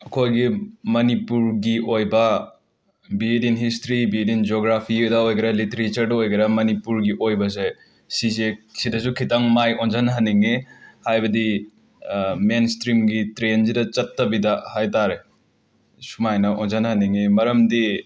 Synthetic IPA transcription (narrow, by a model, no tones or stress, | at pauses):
ɐkʰojɡimɐnipuɾɡiojbɐ | bidinɦistɾibidind͡ʒoɡɾapʰidɐojɡɐɾɐliteɾet͡ʃɐɾdɐojɡɐɾɐmɐnipuɾɡiʔojbɐse | sizesidɐs̬ukʰitaŋmajonzɐnɦɐniŋehajbɐdi | menstɾimɡitɾenzidɐt͡ʃɐtːɐbidɐhajtaɾe | sumajnɐʔonzɐnhɐniŋemɐɾɐmdi